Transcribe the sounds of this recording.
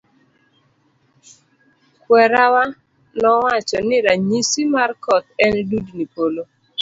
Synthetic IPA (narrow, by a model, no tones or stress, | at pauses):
kwɛɾawa | nɔwat͡ʃɔnɪɾaɲisimarkɔt̪ɛndudnipolo